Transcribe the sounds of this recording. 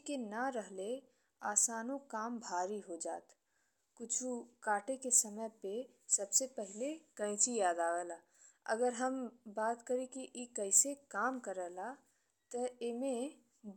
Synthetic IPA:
kenəɾəɦle | aːsaːnokaːmbʱaːɾiɦod͡ʒa̰ːt̪ | kʊt͡ʃʰukaːʈekesəməjpe | sɐbsepəɦɪlekə̃ɪt͡ʃijaːd̪aːʋɛːla | ə̰ɡəɾɦəmbaːt̪kəɾekiʔikəɪsekaːmkəɾɛːla | t̪əemẽ

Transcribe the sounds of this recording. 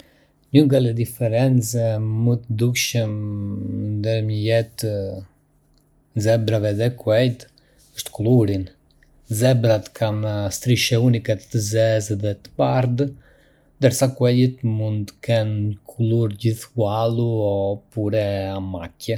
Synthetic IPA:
ɲəɡalɛd̪ifɛɾɛnt͡sɛmət̪əd̪ukʃəm | nd̪əɾməjɛt̪ə | zɛbɾavɛðɛkwɛjd̪ | əʃt̪kuluɾin | zɛbɾat̪kʰaməst̪ɾiʃɛunikɛt̪əzɛzðɛt̪ə̥paɾd̪ | nd̪əɾsakwɛjit̪mund̪kɛnkʰuluɾɟiθkualˠuɔpuɾɛamacɛ

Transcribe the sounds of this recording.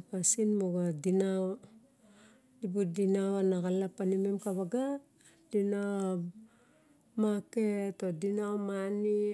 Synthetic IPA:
pasinmoɡadinaw | dibudinawanakalapanimemkaβaɡa | dina | maketodinawmani

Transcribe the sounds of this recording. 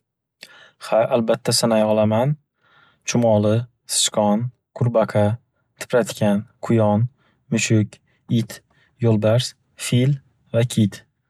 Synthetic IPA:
haʔalbat̪ʰːasanajɒlˠaman | t͡ʃʰʊmɒlˠɪ | sɨ̥ɪ̥ʃqʰɒn | qʰʊɾbaqʰɑ | t̪ʰɪ̥pɾat̪kʲanqʰʊjɒn | mʊʃʊkʲ | ɪt̪ | jolˠb̪aɾs | fil | vakʲʰit̪

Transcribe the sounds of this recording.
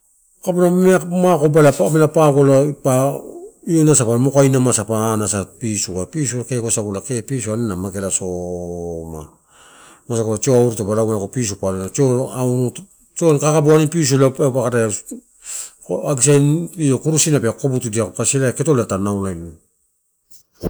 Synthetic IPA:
kapunameamakobalamelapaɡolapa | ionasapamokajnamasapaːnasapisukapisuakekosaɡulakepisuanenamake̞laso | ma̰ | mosakolat͡ʃoauɾutobaɾawmanakopis̬upalenat͡ʃoawnu | t͡ʃonkakaboanipis̬ulapepakata | aɡisajniokuɾusinapeako̞butudiakokaselaketolatanawlajn

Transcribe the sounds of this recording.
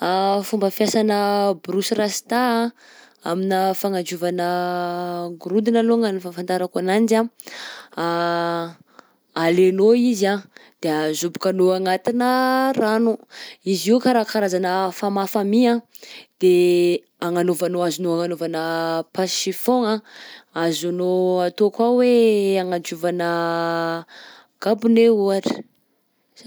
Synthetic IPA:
afumbəfjasanəbɾusiɾasi̥t̪aa | a̰minəfaŋand͡ʒuvanə | ɡuɾud̪inaloŋanifafand̪aɾakanand͡ʒa | a | alenoizad̪̥eazubu̥kanoaŋat̪inəranuiziwkaɾakaɾazanəfamafamiã | d̪̥e | aŋanovanoazunoaŋanovanəpaʃifoŋaazanoat̪okwaweaŋand͡ʒuvanə | ɡ̥abuneuaʈ͡ʂi̥

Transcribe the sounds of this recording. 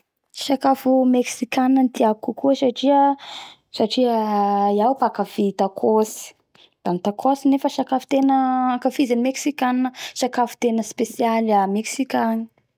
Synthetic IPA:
ʃakafumeksikʲanənt̪iakukuəsaʈ͡ʂiə | saʈ͡ʂiəjawpakafit̪akʰosi̥ | d̪̥ant̪akʰosinefəʃakafu̥t̪enəakafizanimeksikanəʃakafu̥t̪enəspesialameksikanə̥

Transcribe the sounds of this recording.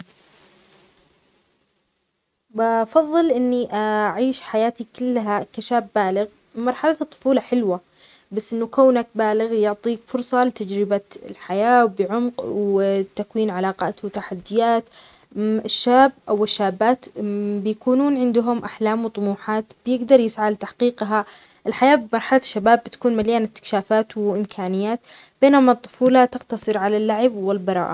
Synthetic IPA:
bafɑðˤːɨlʔɪnːiʔaaʕiːʃħajaːt̪ikʊlːɦakaʃaːbːaːlɪɣ | mɑɾˤħalat̪ˤːʊ̥fuːlɑħɪlwa | basːʔɪnːʊkoːnak̚baːlɪɣjʊʕt̪ˤiːkfʊɾsˤɑlɪt̪ad͡ʒɾɪbaɪ̰lħajaːwbɪʕʊmqwt̪akwiːnʕalɑːqɑ̰ːt̪wɪt̪aħad̪ːɪjaːt̪ | ɪʃːaːbʔawɪʃːaːbːaːt̪bɪjakuːnuːnʕɪnd̪ʊɦʊmʔaħlaːmwɨt̪ˤʊmuːħaːt̪bɪjɪɡd̪ɑɾˤjɪsʕalt̪aħqiːqɦa | ʔɪlħajaːbɪmɑɾˤħalaʃːabaːbːɪt̪ḁkuːnmaljaːnɪt̪ːɪ̥kʃaːfaːt̪wɪʔɪmkʰaːnɪjːaːt̪ | b̥eːnʊmat̪ˤːʊ̥fuːlat̪ɪqt̪ɑsˤɨɾʕalalːaʕɪbwɪlbɑɾˤɑ̰ːʔa

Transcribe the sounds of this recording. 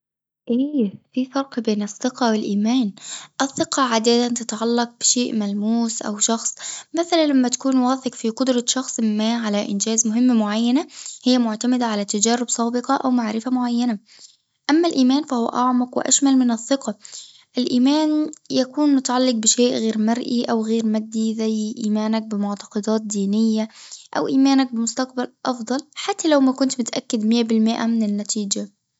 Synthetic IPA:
ʔeːfiːfɑɾˤqbeːnɨθːɪqɑwɪlʔiːmaːnʔɪθːɪqɑʕad̪at̪ant̪ɪt̪ʕalːɑq̚b̥ɪʃeːʔmælmuːsʔa̰wʃɑxsˤmaθalanlamːæt̪ḁkuːnwɑːθɪqfiqʊd̪ɾˤɑʃɑxsˤɪmːaːʕalæʔɪ̰nd͡ʒæːzmʊɦɪmːmʊʕajːanahɪjːæmʊʕt̪amɪd̪aʕalæt̪ad͡ʒæːɾɪbsˤɑːbɪqɑʔawmaʕɾɪfamʊʕajːana | ʔamːalʔiːmæːnfahʊwa̰ʔɑʕmɑqwɪ̰ʔa̰ʃmalmɪnɨθːɨqɑ | ʔɪlʔiːmæːnjakuːnmʊt̪aʕalːɪq̚bɪʃeːʔɣeːɾmaɾˤʔiʔawɣeːɾmad̪ːizæjʔiːmæːnak̚bɪmʊʕt̪ɑ̥qɑd̪ɑːt̪̚d̪iːnɪjːaʔa̰wʔiːmaːnak̚bɪmʊst̪aqbalʔɑfd̪ˤɑlħat̪ːalawmækʊnt̪mʊt̪ʔakːad̪mɪjːabɪlmɪʔa̰mɪnɪnːat̪iːd͡ʒa

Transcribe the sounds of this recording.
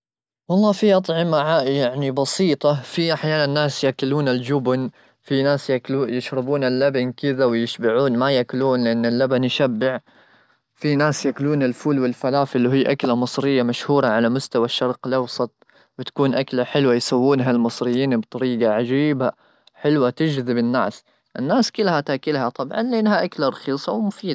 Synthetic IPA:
wɑlˤːɑːfiʔɑt̪ˤʕɪmaʕaːʔjaʕnibɑsiːt̪ˤɑfiʔaħjaːnanːaːsjakʊluːnɪld͡ʒʊbn | finaːsjakujɪʃɾɪbuːnɪlːabankɪðawɪjɪʃbɪʕuːnmajaʔkʊluːnlɪʔanːɪlːabanjʃabːɪʕ | finaːsjaʔkluːnɪlfuːlwɪlfalaːfʔɪlːiɦɪːʔaklamɨsˤɾɪjːamaʃhuːɾˤɑʕalamʊst̪awaʃːɑɾˤqɪlʔɑwsˤɑt̪̚ˤ | wɪt̪ḁkuːnʔaklaħɪlwajsawːuːnɦalmɨsˤɾɪjːiːnbt̪ˤɑɾiːɡaʕad͡ʒiːba | ħɪlwat̪ɪd͡ʒðɪbɪnːaːs | ʔɪnːaːskɪlhat̪aʔkɪlhat̪ˤɑbʕɑ̰nlɪʔanhaʔaklaɾˤɑxiːsˤɑwmʊfiːd̪

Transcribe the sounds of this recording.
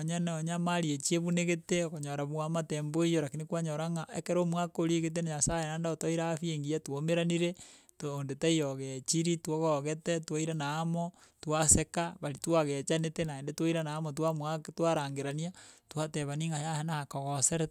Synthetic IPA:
ɲanoɲamaɾiet͡ʃieβuneɣeteokoɲoɾaβuamatemboijoɾakinikwaɲoɾaŋaʔḛkeɾomuwakoɾiɣet̬enaɲasajenandaotoiɾaːfieŋɡijatwomeɾaniɾe | toondetaijoɣet͡ʃiɾitwoɣɔɣetɛtwaiɾanaːmo | twasekaβaɾitwaɣet͡ʃanetenaendetwaiɾanaːmotwamwaktwaɾaŋɡeɾaniatwatɛβaniŋɡajahenahakoɣoseɾɛ

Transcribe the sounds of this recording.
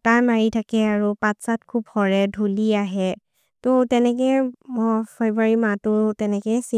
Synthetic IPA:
tajmaɹitʰakɛaɹupãtsat̚kʰubhɔɹɛdʱuliaɦɛ | totɛnɛkɛmɔfʰajbɹuaɹimatʊtɛnɛkɛsi

